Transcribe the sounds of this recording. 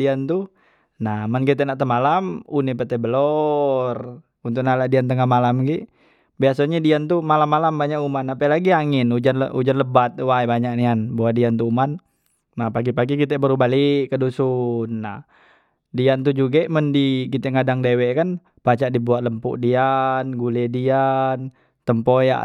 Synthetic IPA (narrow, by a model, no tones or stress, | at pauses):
iant̪u | nahmənkit̪ɛʔnaʔt̪əmalamunɛpət̪ɛbəlɔr | unt̪̬ʊk̚naladiant̪əŋahmalamɡiʔ | biasaɲadiant̪umalamːalambaɲaʔumanapɛlaɡiaŋɪnud͡ʒanlud͡ʒanləbat̪̚wajbaɲaʔnianbawadiant̪uuman | nahpaɡipaɡikit̪ɛbəɾubaɦliʔkədusunːah | diant̪ud͡ʒuɡɛʔməndikit̪ɛŋadaŋdewɛʔkan | pat͡ʃaʔdibuat̪̚ləmpṵʔdianɡulɛdian | t̪əmpoja̰ʔ